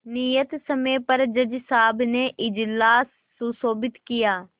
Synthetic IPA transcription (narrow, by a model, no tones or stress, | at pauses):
nijət̪səmẽːpəɾd͡ʒəd͡ʒsaːbneːʔɪd͡ʒlaːsːusoːbɪt̪kɪjaː